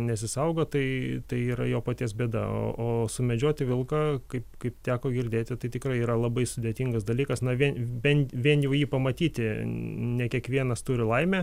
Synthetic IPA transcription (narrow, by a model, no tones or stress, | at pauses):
nʲɛsʲɪsɐʊɡoːt̪ɐɪt̪ɐɪiːɾɐjoːpɐt̪ʲiɛs̬bʲeːd̪ɐ̰o̰ːʔoːsʊmʲɛd͡ʒʲoːt̪ʲɪʋʲɪlˠkɐkɐɪpkɐɪpt̪ʲæːkoːɡʲɪɾʲd̪ʲeːt̪ʲɪt̪ɐɪt̪ʲɪkɾɐɪiːɾɐlˠɐbɐɪsʊd̪ʲet̪ʲiŋɡɐsd̪ɐlʲiːkɐsnɐʋʲiɛnʋʲɛnʋʲiɛnjɛʊjiːpɐmɐt̪ʲiːt̪ʲɪnʲɛkʲiɛkʋʲiɛnɐst̪uːɾʲɪlˠɐɪmʲɛ